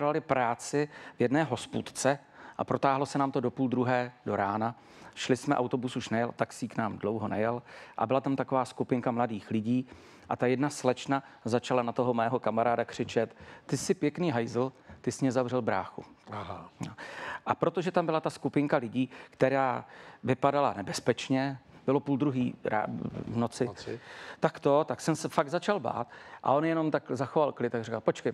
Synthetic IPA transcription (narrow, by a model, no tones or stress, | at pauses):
lalɪpɾaːt͡sɪvjɛdnɛːɦo̞spuːt̪t͡sɛ | ʔa̰pɾo̞t̪aːɦlosɛnaːmt̪o̞do̞puːld̪ɾuɦɛːdoɾaːna | ʃlɪsmɛʔawt̪o̞busuʃnɛjɛlʔt̪aksiːknaːmdlo̞wɦo̞nɛjɛlʔa̰bɪlat̪amt̪ako̞vaːskupɪŋkamladiːxlɪɟiː | ʔa̰t̪ajɛdnaslɛt͡ʃna | zat͡ʃalanat̪o̞ɦo̞mɛːɦo̞kamaɾaːdakr̝̥ɪt͡ʃɛt̪ːɪsɪpjɛkniːɦajzl̩t̪ɪsɲɛzavr̝ɛlbɾa̰ːxṵɦnoʔapɾo̞t̪o̞ʒɛt̪ambɪlat̪askupɪŋkalɪɟiːkt̪ɛɾaːvɪpadala̰nɛbɛspɛt͡ʃɲɛb̥ɪlo̞puːld̪ɾuɦiːɾa̰ːvnot͡sɪt̪akt̪o̞t̪aksɛmsɛfaɡ̚dzat͡ʃalba̰ːt̪ʔa̰ʔo̞njɛno̞mt̪akzaxo̞valklɪt̪t̪ːaɡrikalpo̞t͡ʃkɛj